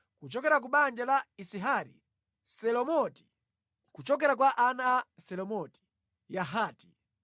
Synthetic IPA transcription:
kut͡ʃɔkɛɾak̬uɓand͡ʒalaisiɦaɾḭ | sɛlɔmɔti̥ | kut͡ʃɔk̬ɛɾak̬waʔanaːsɛlɔmɔti̥ | jaɦaːti

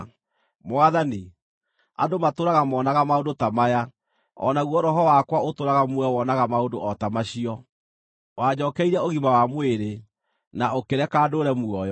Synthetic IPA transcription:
mwaðani | a̰domatoɾaɣamɔnaɣamaondotamaja | ɔ̰naɣwɔɾɔɦɔwakwaotoɾaɣamuɛwɔnaɣamaondo̰ɔtamaɕiɔ | waɲɔːkɛiɾɛoɣimawamweɾe | naokeɾɛkaːdoːɾɛmuɔjɔ

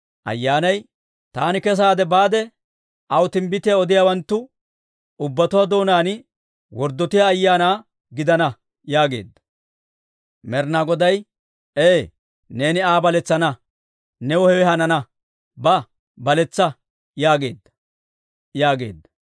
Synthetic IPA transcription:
ʔɐ̰jːaːnɐj | t̪aːnɪkɛs̬aːd̪ɛbaːd̪ɛ | ʔɐwt̪ɪmbɪt̪ɪjaɔd̪ɪjawɐnt̪ːʊ | ʊbːɐt̪ʊwad̪o̞ːnaːn | wɔɾd̪ːɔt̪ɪjaːjːaːnaː | ɡɪd̪ɐnɐ | jaːɡe̞̰ːd̪ːɐ̥ | mɛɾnaɡɔd̪ɐj | eː | ne̞ːnɪaːbɐlɛt͡sːɐnɐ | nɛwɔhɛwɛhɐnɐnɐ | bɐ | bɐlɛt͡sːɐ | jaːɡe̞̰ːd̪ːɐ | jaːɡḛːd̪ːɐ̥

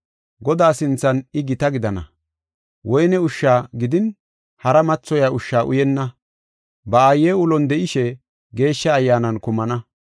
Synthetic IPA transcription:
ɡɔd̪aːsɪnt͡sːɐnɪɡɪt̪ɐɡɪd̪ɐnɐ̰ | wʔɔjnɛʊʃːaːɡɪd̪ɪn | hɐɾɐmɐt͡sːɔjaʔʊʃːaːʔʊ̰jɛnːɐ | bɐaːjeːʊlɔnd̪ɛʔɪʃɛ | ɡe̞ːʃːɐːjːaːnɐnkʊmɐnɐ

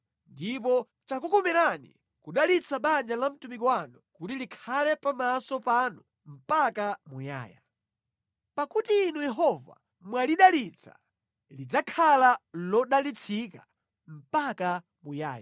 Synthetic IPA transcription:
ndip̬ɔ | t͡ʃakukɔmɛɾanḭ | kuɗalit͡sʰaɓaɲd͡ʒalam̩tumikɔwanukutilikʰalɛpamasɔpanu | m̩pakamuja̰ːja̰ | pakutiːnujɛɦɔva̰ | mwaliɗalit͡sʰa̰ | lid͡zakʰalalɔɗalit͡sʰika | m̩paka | muja̰ːja

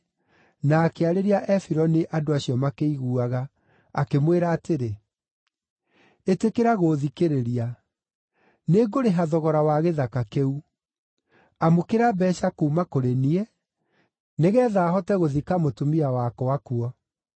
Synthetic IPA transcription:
naːkeaɾeɾiaʔɛfiɾɔneʔadoaɕijɔmakeiɣuaɣa | akemweɾaːteɾe | etekeɾaɣoðikeɾeɾia | neɡoɾeɦaðɔɣɔɾawaɣeðakakeu | amokeɾabɛʃakuːmakoɾeniɛ | neɣɛːðaːɦɔtɛɣoðikamotumiawakɔwakuɔ

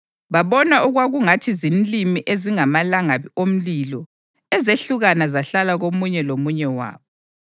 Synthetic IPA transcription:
βaβɔnaʔuɣwaɣuŋatʰizinlimiʔeziŋamalaŋaβiom̩lilɔ | ɛzeɬuɣanazaɬalaɣomuɲɛlomuɲɛwa̰ːβɔ

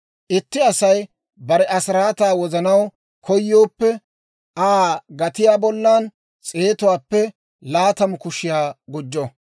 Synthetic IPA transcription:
ʔɪt̪ːɪɐsɐj | bɐɾɛɐsɾaːt̪aːwɔzɐnɐw | kʰɔjːo̞ːpːɛ | ʔaːɡɐt̪ɪjaːbɔlːaːn | t͡sʼe̞ːt̪ʊwaːpːɛ | laːt̪ɐmʊkʊʃɪjaːɡʊd͡ʒːɔ

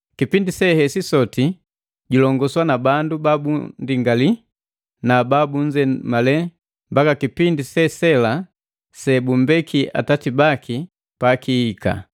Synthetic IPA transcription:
kipindisɛhɛsisɔti | ɟulɔŋɡɔswanabandubabṵndiŋɡali | nababuɲd͡ʒɛmalɛ | mbakakipindisɛsɛla | sɛbum̩bɛkʰia̰tatibakʰi | pakiːka̰

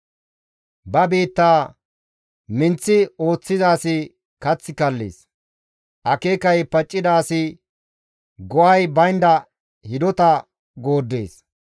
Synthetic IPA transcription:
bɐbiːt̪ːaː | mɪnt͡sːɪo̞ːt͡sːɪzaːsɪ | kɐt͡sːɪkɐlːḛːs | ʔɐkeːkɐjpɐt͡ʃʼːɪd̪aːsɪ | ɡɔʔɐjbɐjnd̪ɐ | hɪd̪ɔt̪ɐ | ɡo̞ːd̪ːḛːs

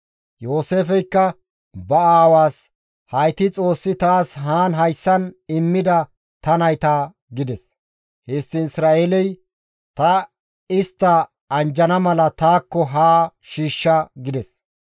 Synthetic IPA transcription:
jo̞ːse̞ːfɛjkːɐ | bɐaːwaːs | hɐjt̪ɪt͡sʼo̞ːsːɪt̪aːsɦaːnɦɐjsːɐnɪmːɪd̪ɐ | t̪ɐnɐjt̪aː | ɡɪd̪ɛs | hɛːst̪ːɪɪsɾaːʔelɛj | t̪ɐ | ɪst̪ːɐ | ɐnd͡ʒɐnɐmɐlɐt̪aːkːɔɦaːʃiːʃːɐɡɪd̪ɛs

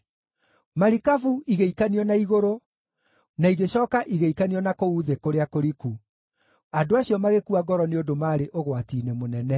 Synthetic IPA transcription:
maɾikavuʔiɣeikaniɔnaiɣoɾo | naiɣeɕɔːkaʔiɣeikaniɔnakouðekoɾeakoɾiku | adoaɕijɔmaɣekuaɡɔɾɔneodomaːɾeʔoɣwatiːnemonɛnɛ

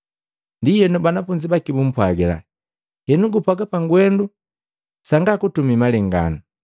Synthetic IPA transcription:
ndijɛnubanafuɲd͡ʒibakibum̩pwaɡɛla̰ | jɛnuɡupwaɡapaŋɡwɛndu | saŋɡakutumimalɛŋɡa̰nu

